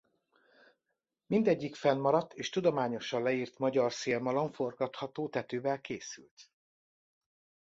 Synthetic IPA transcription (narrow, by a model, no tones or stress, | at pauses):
mind̪ɛɟːikfɛnmɒɾɒt̪ːeːʃt̪ud̪o̞maːɲo̞ʃɒnlɛiːrt̪mɒɟɒrseːlmɒlo̞ɱfo̞rɡɒt̪hɒt̪oːt̪ɛt̪øːvɛlkeːsy̰lt̪